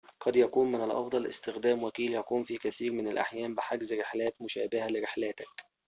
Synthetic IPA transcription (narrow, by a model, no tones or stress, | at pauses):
qɑd̪jækuːmmɪnælʔɑ̰fd̪ˤɑlʔɪ̰st̪ɪxd̪æːmwækiːljækuːnfiːkæθiːɾmɪnælʔa̰ħjæːmbɪħaɡzɾɪħlæːt̪mʊʃæːbɪhælɪɾɪħlæːt̪æk